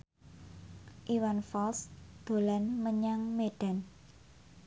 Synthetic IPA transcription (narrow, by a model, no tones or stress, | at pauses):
ʔiwanfalsd̪̥o̤lanməɲaŋmeɖ̥a̤n